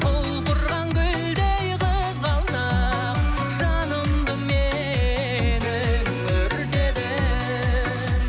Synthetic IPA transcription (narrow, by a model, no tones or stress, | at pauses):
qʰolˠqʊɾʁɑŋkʲʏld̪ejqʰəzʁɑlˠnɑ | q | ʒɑnəmd̪əme | nɪ | kʰɵɾd̪ed̪ɪ